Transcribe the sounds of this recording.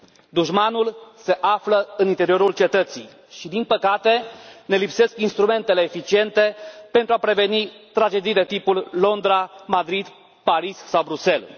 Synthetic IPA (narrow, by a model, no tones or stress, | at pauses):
d̪uʒmanulse̞ʔafləɨnint̪e̞ɾio̞ɾult͡ʃe̞t̪ət̪sḭj | ʃid̪inpəkat̪e̞ne̞lipse̞skinst̪ɾume̞nt̪e̞leːfit͡ʃie̞nt̪e̞pe̞nt̪ɾuapɾe̞ve̞nit̪ɾad͡ʒe̞d̪ijd̪e̞t̪ipullo̞nd̪ɾamad̪ɾid̪ | paɾissawbɾuse̞l